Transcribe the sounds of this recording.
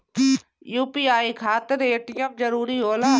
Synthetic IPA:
juːpiːaːiːkʰaːt̪əɾeːʈɪjə̃p̚d͡ʒəɾuːɾiɦoːlaː

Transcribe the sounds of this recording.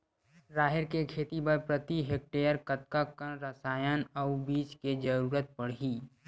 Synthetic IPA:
ɾaːɦɪɾkekʰeːt̪ibəɾpɾət̪iɦeːk̚ʈeːjəɾkɐt̪̚kakaɾɐsaːjənɔʊbiːt͡ʃked͡ʒəɾuːɾət̪̚pɐɽ̤ɦiː

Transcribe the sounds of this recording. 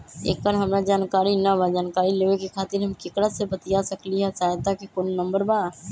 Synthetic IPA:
ḛːkkaːɾɦəmɾad͡ʒaːnkaːɾinabad͡ʒaːnkaːɾileːʋekekʰaːt̪ɪɾɦɐmkɪkɽasebət̪ijasəkliɦɛsaːt̪ːakekonnə̃mbəɾbaː

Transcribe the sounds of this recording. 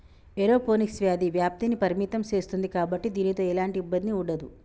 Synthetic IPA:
eɾo̞ːpo̞ːniksʋjaːd̪iʋjaːp̚t̪iːnipɐɾimiːt̪ɐmt͡ʃe̞ːst̪und̪ikaːbɐʈːid̪iːnit̪o̞ːɛlaːɳʈiːbːɐnd̪niuɳɖɐd̪u

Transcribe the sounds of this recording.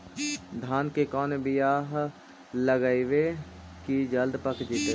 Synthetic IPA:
d̪ʱaːnkekɔːnebɪjaːɦ | ləɡaiʋe | kid͡ʒɐld̪pəkʰd͡ʒit̪e

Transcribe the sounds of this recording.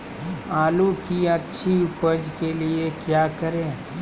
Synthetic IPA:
aːlukiɐtːʃʰiʊpəd͡ʒkeliekjaːkɐɾẽː

